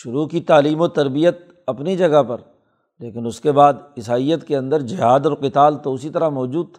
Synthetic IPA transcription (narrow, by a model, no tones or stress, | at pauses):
ʃʊɾukit̪aːliːmot̪ɐɾbijət̪̚ | ɐpnid͡ʒɐɡapɐɾ | leːkɪnʊskebaːd̪ɪsaːijət̪keɐ̃nd̪əɾd͡ʒɪɦaːd̪ɔːɾqɪt̪aːlt̪oʊsit̪ɐɾamɔːd͡ʒuːd̪̚t̪ʰa